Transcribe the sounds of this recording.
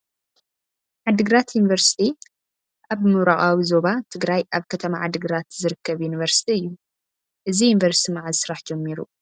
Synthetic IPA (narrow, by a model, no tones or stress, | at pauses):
ʕad̪ɨɡɾat̪junivɐɾsi̥t̪ʰi | ʔaβmɨwɾaχʼawizo̞βat̪ʰɨɡɾajʔaβkʰɐt̪ʰɐmaʕad̪ɨɡɾat̪zɨɾɨkːɐβjunivɐɾsi̥t̪ʰiɨjːu | ʔɨzijunvɐɾsi̥t̪ʰimaʕazɨsɾaħd͡ʒɛmːiɾṵ